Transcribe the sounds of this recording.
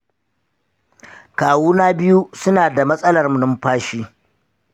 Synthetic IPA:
kaː˨wuː˦naː˦bɪ˦ju˦sʊ˦naː˨da˨mɐ˦sʼɐ˦lɐ˨rmu˨nʊ˦mɸaː˦ʃiː˦

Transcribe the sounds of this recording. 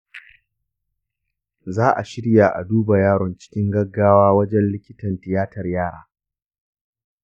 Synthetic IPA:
zaː˦ʔa˨ʃɪ˦ɽja˨ʔa̰˨duː˦ba˨jaː˦ɽɔ˨nt͡ʃɪ̥˦kʲɪ˦ŋɡɐ˦ɡːaː˦waː˦wɐ˦d͡ʒɛ˦nlɪ˦kʲɪ˦tɐ˨ntɪ˨jaː˦tɐ˨rjaː˦˨ɽa̰ː˨˦

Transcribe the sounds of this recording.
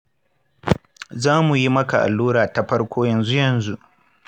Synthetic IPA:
zaː˦mu˨ji˦mɐ˦ka˨ʔa̰˨lːuː˦ɾaː˨ta˨ɸɐ˦rkʷoː˦jɐ˨nzu˦jɐ˨nzu˦ʔ

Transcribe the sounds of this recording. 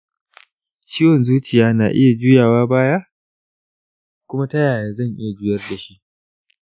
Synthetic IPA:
t͡ʃiː˦wɔ˨nzuː˦t͡ʃɪ˨jaː˦na̰ː˨ʔɪ˦ja˨d͡ʒuː˦jaː˨waː˦baː˦ja˦ | kʷʊ˦ma˦tɐ˦jaː˨jaː˨zɐ˦˨ŋʔɪ˦ja˨d͡ʒuː˦jɐ˦rda˨ʃi˦ʔ

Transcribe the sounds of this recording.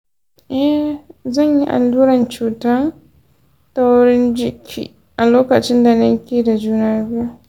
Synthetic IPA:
ʔɛ˦zɐ˦˨ɲjḭ˦ʔa̰˨lːuː˦ɾɐ˨nt͡ʃuː˨ta˦n | ta˦wɽɪ˦nd͡ʒɪ˦kʲʰḭː˨ | ʔa˨loː˦kɐ˨t͡ʃɪ˦nda˨nɐ˦ŋkʲiː˦˨da˨d͡ʒuː˦na˦bju˦

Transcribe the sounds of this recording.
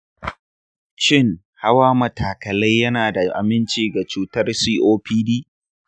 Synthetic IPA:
ʃɪ˦˨ŋ | ha˦waː˦mɐ˨tʰaː˨kɐ˨lɐ˦jːɐ˦naː˨da˨ʔa̰˨mɪ˦nt͡ʃiː˨ɡa˨t͡ʃuː˦tɐ˦rsiː˦ʔoː˦pʰiː˦diː˦

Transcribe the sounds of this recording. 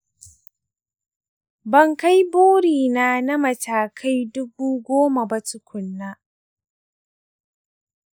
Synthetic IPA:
bɐ˨ŋka˦jboː˦ɽiː˨naː˦na˦mɐ˨tʰaː˨kʰa˦jdʊ˦buː˦ɡʷoː˦ma˨ba˦tʊ˦kʷʰʊ˨nːa˦

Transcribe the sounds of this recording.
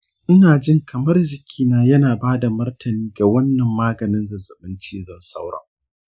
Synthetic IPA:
ʔɪ˦naː˨d͡ʒɪ˦ŋkʰɐ˨mɐ˦rd͡ʒɪ˨kʲʰiː˦naː˦jɐ˦naː˨baː˦da˨mɐ˦rtʰɐ˨niː˦ɡa˨wɐ˦nːɐ˨mːaː˦ɡɐ˨nɪ˦nzɐ˨zɐ˨ɓɪ˦nt͡ʃeː˦zɐ˦˨nsa˦wɽɐ̰˨ŋ

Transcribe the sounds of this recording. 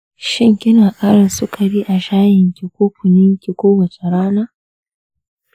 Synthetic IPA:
ʃi˦ŋ˨ki˦na˨ʔa˦ɾa˨su˦kʰa˨ɾi˦ʔa˨ʃa˦ji˨ŋki˨ku˦ku˨ɲi˦ŋ˦kʲi˨ku˦wa˨t͡ʃa˨ɾa˦na˦

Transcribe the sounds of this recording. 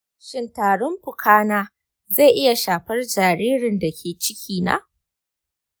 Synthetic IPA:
ʃɪ˦ntaː˨ɽɔ˦mɸʊ˨kʰaː˦naː˦ | za˦˨ʔɪ˦ja˨ʃaː˨ɸɐ˦rd͡ʒaː˨ɾiː˦ɾɪ˨nda˨kʲʰeː˨t͡ʃɪ˦kʲʰiː˦˨na̰˦

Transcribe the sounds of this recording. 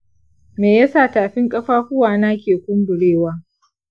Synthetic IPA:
meː˨ja˦sa˦˨taː˨ɸɪ˦ŋkʼɐ˦ɸaː˦ɸʊ˦waː˨na˦kʲeː˨kʷʊ˦mbʊ˨ɽeː˦waː˦

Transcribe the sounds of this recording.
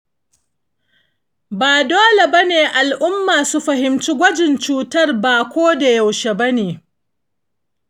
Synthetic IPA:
baː˨doː˦le˨bɐ˦neː˨ʔa˨lʔʊ˦mːaː˨su˦ɸɐ˨ɦɪ˨mt͡ʃi˦ɡʷɐ˦d͡ʒɪ˨nt͡ʃuː˨tɐ˦rbaː˨kʷoː˦da˨ja˨wʃe˨bɐ˦neː˨

